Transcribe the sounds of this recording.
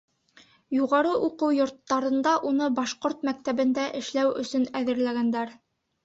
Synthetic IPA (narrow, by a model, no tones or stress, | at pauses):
juʁɑɾɤʔuqɤwjŏɾt̪ːɑɾɤ̆nd̪ɑʔunɤbɑʃqoɾt̪mæk̚t̪æβɘ̆nd̪æʔɘ̆ʃlæwɵ̆sɵnæðɘ̆ɾlæɡænd̪æɾ